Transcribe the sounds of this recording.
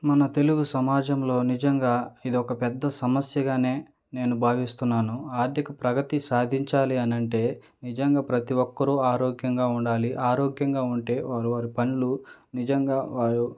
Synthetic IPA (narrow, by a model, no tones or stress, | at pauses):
mɐnɐt̪e̞luɡusɐmaːd͡ʒɐmlo̞ːnid͡ʒɐŋɡaːid̪iɔkɐpɛd̪ːɐsɐmɐsjɐɡaːne̞ː | ne̞ːnubʱaːʋist̪unːaːnuaːɾd̪ʱjɐkɐpɾɐɡɐt̪isaːd̪ʱiɲt͡ʃaːliɐnɐɳʈe̞ː | nid͡ʒɐŋɡaːpɾɐt̪iʋɔkːɐɾuaːɾoːɡjɐŋɡaːuɳɖaːliʔaːɾoːɡjɐŋɡaːuɳʈe̞ːʋaːɾuʋaːɾipɐnilunid͡ʒɐŋɡaːʋaːɾu